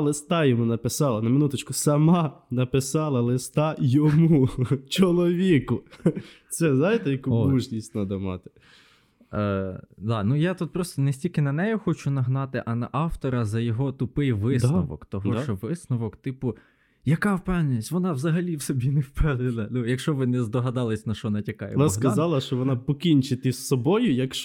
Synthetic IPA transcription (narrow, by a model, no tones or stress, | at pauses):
lˠɪst̪ɑjɔmunɐpɪsɑlˠɐnɐmɪnut̪ɐt͡ʃkʊsɐmɑnɐpɪsɑlˠɐlˠɪst̪ɑjɔmut͡ʃɔlˠɔʋʲikʊ | sɛznajt̪ɛjɐkuɔuʒnʲisʲtʲnɐd̪ɐmɑt̪ɪ̥ | d̪ɑnujat̪ut̪̚pɾɔst̪ɔnesʲtʲilʲkɪnɐnɛjʊxɔt͡ʃʊnɐɦnɑt̪ɪʔɐnɐʔɑwt̪ɔɾɐzɐjɔɦɔt̪ʊpɪjʋɪsnɔʋɔ̰kt̪ɔɦɔɔʋɪsnʊʋɔkt̪ɪpʊ | jɐkɑwpɛwnʲɪnʲisʲʋɔnɑwzɐɦɐlʲiwsɔbʲinewpɛwd̪ɪlˠɐnujɐkʃt͡ʃɔʋɪnɛzd̪ɔɦɐd̪ɑlˠɐsʲnɐʃt͡ʃɔnɐtʲɐkɑjɛ̰nsɦkɐzɑlˠɐʃt͡ʃɔʋɔnɑpɔkʲinʲt͡ʃɪt̪ɪsːɔbɔjʊjɐkʃ